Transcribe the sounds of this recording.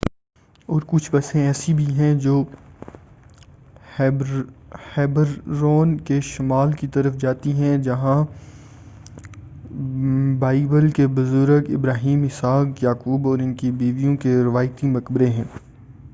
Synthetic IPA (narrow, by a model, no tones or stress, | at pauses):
ɔːɾkʊt͡ʃʰbɐsẽɛːsibʱiɦɛ̃d͡ʒoː | hɛːbəɾːoːnkeʃɐmaːlkit̪ɐɾəfd͡ʒaːt̪iɦɛ̃d͡ʒɐɦã | baːɪbəlkebʊzʊɾəɡɪ̰bɾaːɦiːmɦɪsaːkjaːkuːbɔːɾɪnkibiːʋijõkeɾɪʋaːjt̪imɐkbɾeɦɛ̃ː